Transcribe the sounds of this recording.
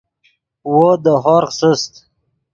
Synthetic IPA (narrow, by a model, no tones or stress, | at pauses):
wod̪əɦɔɾsəst̪